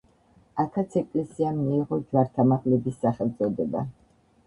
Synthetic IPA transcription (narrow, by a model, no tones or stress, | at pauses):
akʰat̪sʰɛkʼlɛsiamiːʁɔd͡ʒwaɾt̪ʰamaʁlɛbisːaχɛlˠt̪sʼɔd̪ɛba̰